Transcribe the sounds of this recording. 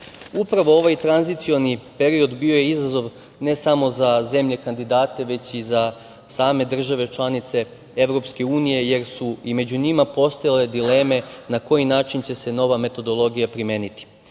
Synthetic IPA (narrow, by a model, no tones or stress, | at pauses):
upɾaʋo̞o̞ʋajt̪ɾanzit̪sio̞nipe̞ɾio̞d̪bio̞je̞izazo̞ʋ | ne̞samo̞zaze̞mʎe̞kand̪id̪aːt̪e̞ʋe̞t͡ɕiza | saːme̞d̪r̩ʒaʋe̞t͡ʃlˠanit̪se̞ | e̞ʋɾo̞pske̞uːnije̞je̞ɾsuime̞d͡ʑuɲimapo̞st̪ajale̞d̪ile̞ːme̞nako̞jinaːt͡ʃint͡ɕe̞se̞no̞ʋame̞t̪o̞d̪o̞lˠo̞ɡijapɾime̞ːnit̪i̥